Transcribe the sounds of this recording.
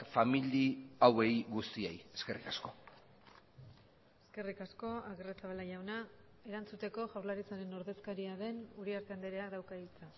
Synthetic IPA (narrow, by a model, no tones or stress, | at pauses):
familiawe̞jɣust̪iejeske̞rikasko | e̞ske̞rikasko̞aɣeret͡saβalaʝawna | e̞ɾant͡sut̪e̞ko̞ʝawɾlaɾit͡saɾe̞no̞ɾðe̞skaɾiaðe̞nuɾiaɾt̪eand̪eɾe̞aðawkailt͡sa